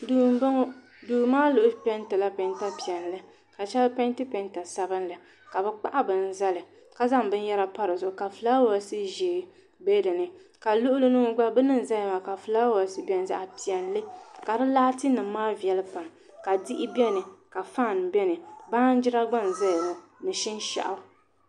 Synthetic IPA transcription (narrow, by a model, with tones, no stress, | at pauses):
duː˨m˦ba˦ŋ˦ | duː˨maː˦lʊ˨ʔʊ˦pɛ˦ntɨ˨la˦pɛ˨nta˦pi˨ɛ˨n˨lɨ˦ | ka˨t͡ʃɛ˦lpɛ˦n˦tɨ˦pɛ˦nta˨sa˦bɨ˦n˦lɨ˨ | ka˨bɛ˦k͡pa̰˦ʔa˦bɨ˨n̩˦za˦lɨ˨ | ka˦za˦ŋbɨ˦n˦jɛ˦ɾa˦pa˦ɾɨ˨zʊ˨ʔka˨fɨ˨laː˦wa˨˦sɨ˦ʒeː˨ | be˦dɨ˨nɨ˨ka˨lʊ˦ʔʊ˦lɨ˦nɨ˦ŋ˦ɡ͡ba˦bɨ˦nɨ˦n˨za˦jma˨ka˨flaː˦wa˨sɨ˦bɛ˨n˦za̰˦ʔa˨pi˨ɛ˨n˨lɨ˦ka˨ɾɨ˦la˦tɨ˦nɨ˨˦maː˦vi˨ɛ˨lɨ˦pa˨m | ka˨di˦ʔɪ˦bɛ˦nɨ˨ka˨fa˦˨n˨bɛ˦nɨ˨baː˦n˦d͡ʒɪ˦ɾa˦ɡ͡ba˦˨n˨za˦jɛ˨lɨ˨mɨ˨ʃi˦n˦ʃa̰˨ʔa˦